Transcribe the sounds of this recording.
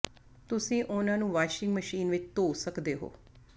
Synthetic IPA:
t̪ʊsĩːʔʊnãːnũːʋaːʃɪ̃ŋɡməʃiːnʋɪt͡ʃt̪oːsəkd̪eːɦo̰ː

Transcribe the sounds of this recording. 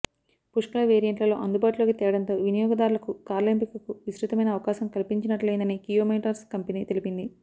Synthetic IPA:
puʂkulɐʋeːɾijɐɳʈlɐlo̞ːʔɐnd̪ubaːʈulo̞ːkit̪ɛːɾɐɽɐnt̪o̞ːʋinijɔːɡɐd̪aːɾulɐkukaːɾlimpikɐkuʋisɾit̪ɐmɐjnɐːʋɐkaːʃɐmkɐlipiɲt͡ʃinɐʈleːnd̪ɐniːkijoːmeʈɐɾskɐmpɐnit̪e̞lipind̪i

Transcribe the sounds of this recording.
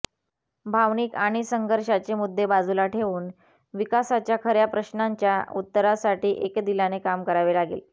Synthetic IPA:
bʱaʋniːkaɽ̃isəŋɡʱəɾɕat͡semud̪ːebad͡zulaʈʰeʋuːn | ʋikasat͡ɕjakʰəɾjapɾəɕnaɲt͡ɕjaut̪ːəɾasaʈiːʔekd̪ilanekamkəɾaʋelaɡḛːl

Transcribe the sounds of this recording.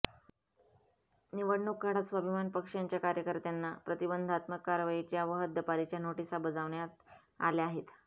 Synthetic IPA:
niʋəɽɳukːaɽat̪sʋəbʱimanpəkʂjaɲt͡ɕjakaɾjəkəɾt̪janːapɾət̪ibənd̪ʱat̪məkːaɾʋajit͡ɕjaʋəɦət̪̚d̪əpaɾit͡ɕjanoʈisabəd͡zaʋɳjat̪ | a̰leaɦet̪

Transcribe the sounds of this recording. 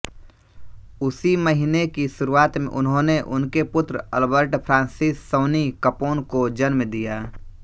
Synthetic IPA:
ʊsiməɦinekiʃʊɾuaːt̪mḛ̃ʔʊ̰nɦõːneʔʊ̰nkepʊt̪ɾəə̰lbəɾʈpʰɾãːnsɪsːəːnikəpoːnkod͡ʒənmd̪ijaː

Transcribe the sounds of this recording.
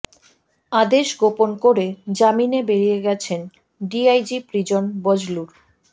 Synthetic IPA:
ad̪eʃɡoponkoɾed͡ʑaminebeɾijeɡɛt͡ɕʰen | ɖiajd͡ʑipɾid͡ʑonbod͡ʑluɾ

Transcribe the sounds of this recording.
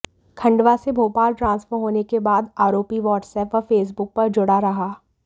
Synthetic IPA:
kʰɐ̃ɳɖʋasebʱoːpaːlʈɾãːnsfəɾɦoːnekebaːd̪aːɾoːpiʋɔːʈsɛːpʋafeːs̬bʊk̚pɐɾd͡ʒʊɽaɾɐɦaː

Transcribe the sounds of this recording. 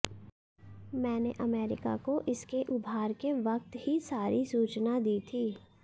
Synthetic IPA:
mɛ̃ːneʔɐmɛːɾɪ̰ka̰koʔɪskeʔʊbʱaːɾkeʋɐq̚t̪hisaːɾʔisuːt͡ʃnad̪iːt̪ʰiː

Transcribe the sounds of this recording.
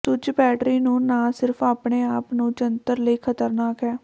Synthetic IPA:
t̪ʊd͡ʒbɛːʈɾiːnũːnaːsɪɾfʰaːpɳeːaːpnũːt͡ʃənt̪əɾləiːkʰət̪əɾnaːkɦɛː

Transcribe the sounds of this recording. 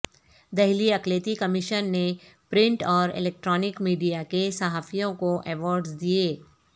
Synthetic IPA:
d̪ɛɦliɐkleːt̪ikɐmɪʃənːepɾɪ̃ɳʈɔːɾɪ̰lɛːk̚ʈɾɔːnɪkmiːɖijakesɐɦaːfʰijõkoʔɛːʋɔːɾɖzd̪ieː

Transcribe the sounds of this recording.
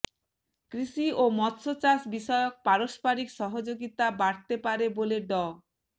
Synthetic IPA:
kɾiʃiomɔt̪ːʃʰot͡ɕasbiʃɔeok̚paɾospaɾikʃɔɦod͡ʑoɡit̪abaɽt̪epaɾeboleɖɔ

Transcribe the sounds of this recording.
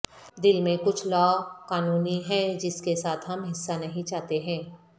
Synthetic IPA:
d̪ɪlmẽkʊt͡ʃʰlɔːkaːnuːniɦɛd͡ʒɪskesaːt̪ʰɦɐmɦɪsːanɐɦĩt͡ʃaːt̪eɦɛ̃ː

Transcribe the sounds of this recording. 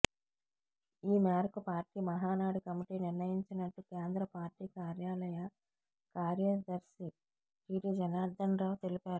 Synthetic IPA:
iːmjaːɾkupaːɾʈiːmɐɦaːnaːɽukɐmiʈiːniɾnɐjiɲt͡ʃinɐʈːukeːnd̪ɾɐpaːɾʈiːkaːɾjaːlɐjɐ | kaːɾjɐd̪ɐɾʃi | ʈiːʈid͡ʒɐnaːd̪ɐnɾɐːwt̪e̞lipaːɾu

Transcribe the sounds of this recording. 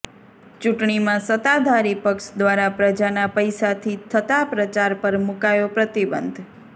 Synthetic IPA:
t͡ʃuʈɳ̃imãsət̪ad̪ʱaɾipəkʃd̪ʋaɾapɾəd͡ʒanapəjsat̪ʰit̪ʰət̪apɾət͡ʃaɾpəɾmukajopɾət̪ibənd̪ʱ

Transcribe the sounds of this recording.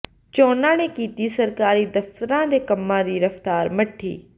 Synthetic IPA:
t͡ʃoːnãːñẽkiːt̪isɐɾkaːɾid̪ɐft̪əɾãd̪eːkɐmːãd̪iːɾɐft̪aːɾmɐʈʰːḭː

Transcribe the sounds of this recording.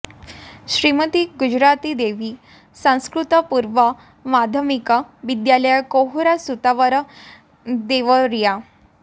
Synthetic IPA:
ɕɾimət̪iːɡud͡ʑɾat̪id̪eʋiː | sãw̃skɾut̪əpuɾʋə | mad̪ʱəmikəʋid̪jaləjakoɦuɾasut̪aʋəɾ | d̪eʋəɾija

